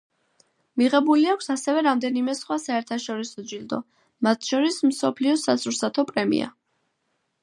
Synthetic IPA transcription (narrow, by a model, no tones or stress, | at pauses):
miʁɛbuliakʷʰsasɛvɛɾamd̪ɛnimɛsχwasaɛɾt̪ʰaʃɔɾisɔd͡ʒild̪ɔ̰ | mat̪ʰʃɔɾismsɔpʰliɔsasʰuɾsat̪ʰɔpʼɾɛmḭa̰